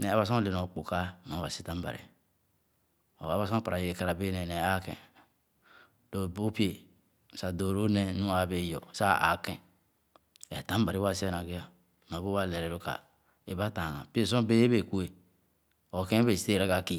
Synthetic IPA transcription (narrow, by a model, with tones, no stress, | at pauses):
ne˨a˨βa˦˨s̬o˦le˨n˨o˨k͡po˨ka˦˨m˨a˨ba̰˨si˦ta˦m˦ba̰˨ɾḛ˨ | o˨a˦ba˦˨sõ˦pa˨ɾa˨je˨e˨ka˨ɾa˨be˦ne˨ne˨a˦kḛ̃˨ | do˨bo˦pi˦e˦˨ | a˨do˨ɾo˦ne˦nu˦a˨be˨jo˨sa˦a̰˨kɛ̃˨ | ɛ˨ta˨˦m˦ba˨ɾi˦wa˦˨si˦˨na˨ɡi˦a˦ | ma˨bo˦wa˦˨le˨ɾɛ˨ɾo˦ka̰˨ | e˦˨ba˦ta˨ŋa̰˨pi˦e˦˨s̬õ˦be˦be˦˨ku˦e˨ | o˨kẽ˦be˨si̥˨˦e˦˨ɾa˦ka˦˨ki˦